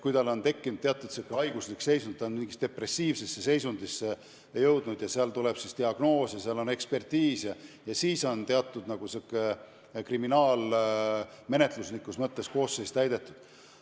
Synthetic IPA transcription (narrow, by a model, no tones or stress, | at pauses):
kujt̪ɑlo̞nt̪e̞kːinud̪̥̚t̪eɑt̪ːˑud̪̥sekːˑeɑjɡuslikse̞jsund̪̚t̪ːɑnmiŋɡist̪d̪̥epre̞sːiːvse̞sːe̞se̞jsund̪isːe | jɤwd̪nud̪̥jɑseɑlt̪uleb̥sist̪iɑɡ̥no̞ːsjɑseɑlo̞ne̞kspe̞rt̪iːsjɑjɑsiːso̞nt̪e̞ɑt̪ːˑud̪nɑɡ̥usekːˑe | kriminɑːl | me̞ne̞t̪ˑlusnikːˑusmɤt̪ːe̞sko̞ːsːe̞st̪æjd̪e̞t̪ːˑud̪̥